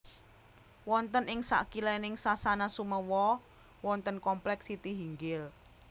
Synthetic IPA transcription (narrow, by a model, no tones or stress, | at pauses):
wɔnt̪ənʔɪŋsa̰kilɛnɪŋsasanasuməwɔ | wɔnt̪ənkɔmplɛksit̪iɦiŋɡɪl